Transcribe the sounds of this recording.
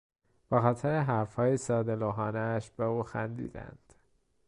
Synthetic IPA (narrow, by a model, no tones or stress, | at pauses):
b̥exɒːt̪ʰeɾeɦæɾfhɒːjesɒːd̪eloɦɒːneːʃb̥euːxænd̪ḭːd̪æ̰nd̪̥